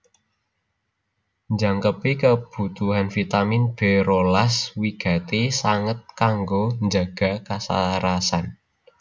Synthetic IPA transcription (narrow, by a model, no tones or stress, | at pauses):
ɲd͡ʒaŋkəpekəb̥ṳt̪uɦanfit̪amɪnb̥ɛ̤ɾolaswiɡ̥a̤t̪esaŋət̪̚kaŋɡoɲd͡ʒa̤ɡ̥a̤kasa̰ɾasan